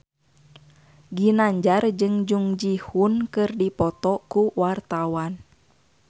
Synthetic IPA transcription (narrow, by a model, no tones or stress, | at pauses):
ɡinaɲd͡ʒard͡ʒɨŋd͡ʒuŋd͡ʒihunkɨrdipɔt̪ɔkuwart̪awan